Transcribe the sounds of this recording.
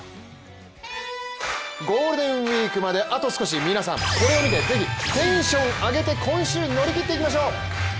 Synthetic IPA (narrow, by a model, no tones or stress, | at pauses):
ɡo̞ːɾɯ̟d̪ẽ̞ɰ̃wiːkɯ̟mad̪e̞ʔat̪o̞sɨ̥ko̞ɕ̬imʲinasã̰ŋko̞ɾe̞o̞mʲit̪e̞d͡ze̞çit̪ẽ̞ɰ̃ɕõ̞ŋaɡe̞t̪e̞kʰõ̞ɰ̃ɕɨːɲino̞ɾʲikʲit̪ːe̞ikʲimaɕ̬o̞ː